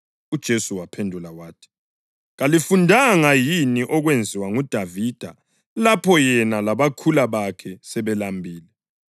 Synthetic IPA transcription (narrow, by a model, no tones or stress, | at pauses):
ud̥ʒ̥ʱesuwapʰendʱulawaːtʰi̥ | ɣalifundʱaŋajiniʔɔɣwend͡zʱiwaŋud̥ʱavid̥ʱa̰ | lapʰɔjɛnalaβakʰulaβakʰɛsɛβɛlambʱiːlɛ